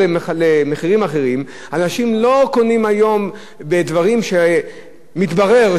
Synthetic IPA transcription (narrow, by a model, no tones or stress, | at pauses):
lemeχiʁimaχe̞ʁim | anaʃimlo̞ko̞nimajo̞m | bed̪vaʁimʃe | mit̪baʁe̞